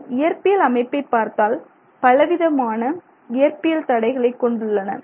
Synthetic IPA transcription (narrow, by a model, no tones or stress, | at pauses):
ɪjɐɾpɪjɐlɐmɐɪpːɐɪpːaːɾt̪aːl | pɐlɐʋɪðɐmaːnɐ | ɪjɐɾpɪjɐlt̪ɐɽɐɪɣɐɭɐɪkːɔɳɖɯɭːɐnɐ̰